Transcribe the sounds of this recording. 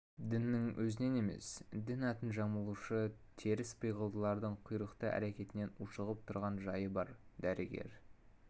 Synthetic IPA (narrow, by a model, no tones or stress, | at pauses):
d̪ɪnːɪŋwʔɵzɪne̞ne̞me̞̰sd̪ɪnɑt̪ənʒɑməlˠuʃət̪ʰe̞ɾɪspʰəjʁəlˠd̪əlˠɑɾd̪əɴqʰujɾəqt̪əʔæ̰ɾekʲe̞t̪ɪne̞nuʃəʁəp̚t̪ʰʊɾʁɑnʒɑjəbɑɾd̪æɾɪɡʲe̞̰ɾ